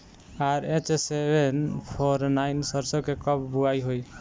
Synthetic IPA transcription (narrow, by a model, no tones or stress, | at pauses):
aɾẽt͡ʃesebʱenpʰɔɾnajnsʌɾsɔkekʌbbuajɦoj